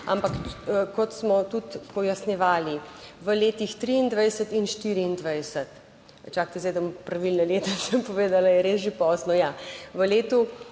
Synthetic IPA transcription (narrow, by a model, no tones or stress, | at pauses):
a̰mpakːkɔt̪smɔt̪ut̪pɔjasnʲjɛʋaːliʋəleːt̪ixt̪ɾiind̪ʋajsət̪inʃt̪iɾiːnd̪ʋajsət̪ | t͡ʃaːk̚t̪ɛzd̪ɐmpɾɐʋilnɛleːt̪ɛsəmpɔʋeːd̪alajɛɾesʒepɔːsnɔjaʋəleːt̪u